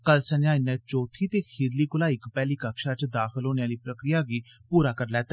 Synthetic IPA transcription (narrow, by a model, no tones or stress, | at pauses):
kəlsənjãːɪnːɛ̃ːt͡ʃoːt̪ʰiːt̪eːkʰiːd̪liːkʊlaːɪkpɛːliːkəkʃaːt͡ʃd̪aːxəlɦoːneaːliːpɾəkɾɪjaːɡiːpuːɾaːkəɾlɛːt̪ɛː